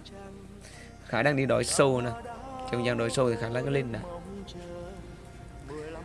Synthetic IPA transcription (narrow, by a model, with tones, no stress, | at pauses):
xaː˧˩˦ɗaː˧ŋɗi˧ɗɔ̰˨˩˦jso˧˨naː˨˧˩t͡ɕɔ˧wŋ͡mzaː˧˩ŋɗɔ˨˦jso˧t̪ʰi˨˩xaː˧˦laː˧˦kaː˨˦li˧nna̰ː˨˦